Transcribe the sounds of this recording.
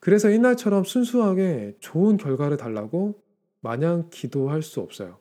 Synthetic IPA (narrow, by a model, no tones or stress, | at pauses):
kɯɾe̞sʰʌinːaɭt͡ɕʰʌɾʌmsʰunsʰuɦaɡe̞t͡ɕoɯnkjʌɭɡwaɾɯɭtaɭːaɡo | maɲaŋkidoɦaɭs͈uʌp̚s͈ʌ̰jo